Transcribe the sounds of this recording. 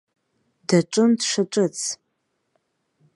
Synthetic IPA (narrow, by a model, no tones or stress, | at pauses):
d̥aʈ͡ʂʷʼʊndʂaʈ͡ʂʷʼɨt͡sʰ